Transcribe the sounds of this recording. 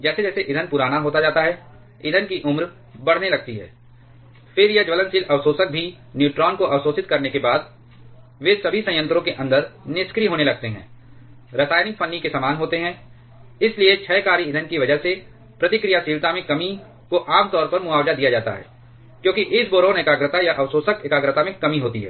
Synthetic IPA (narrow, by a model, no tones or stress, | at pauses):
d͡ʒɛːsed͡ʒɛːseʔɪd̪ʱənpʊɾaːñaɦoːt̪ad͡ʒaːt̪aɦɛ | ɪd̪ʱənkiʔʊmɾ | bɐɽ̤nelɐɡ̚t̪iɦɛ̰ː | fʰɪɾjed͡ʒʋələ̃nsiːlʔɐʋsoːsək̚bʱi | njuːʈɾɔːnkoʔɐʋsoːsɪt̪kɐɾnekebaːd̪̚ | ʋesɐbʱisɐ̃j̃ə̃nt̪ɾõkeʔɐ̃nd̪əɾnɪskɾiɦoːnelɐɡ̚t̪eɦɛ̰̃ː | ɾɐsaːjnɪk̚pʰɐ̃nːikesaːmaːnɦoːt̪eɦɛ̃ː | ɪsliet͡ʃʰɛːkaːɾiɪd̪ʱənkiʋɐd͡ʒəɦse | pɾɐt̪ɪkɾijasiːɾt̪amẽkɐmi | koʔaːmt̪ɔːɾpɐɾmʊaːʋd͡ʒad̪ijad͡ʒaːt̪a̰ɦɛ̰ː | kjõːkiʔɪsboːɾõnekaːɡɾət̪ajaʔɐʋsoːsəkɪkaːɡɾət̪amẽkɐmiɦoːt̪ḭɦɛ̰ː